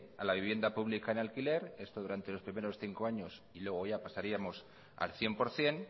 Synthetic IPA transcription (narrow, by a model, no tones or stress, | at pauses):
a̰laβiβje̞nd̪apuβ̞likaenalkile̞ɾe̞st̪oðuɾant̪e̞lo̞spɾime̞ɾo̞sθiŋko̞aɲo̞s | ilwe̞ɣ̞o̞ʝapasaɾiamo̞s | a̰lθje̞mpo̞ɾθje̞n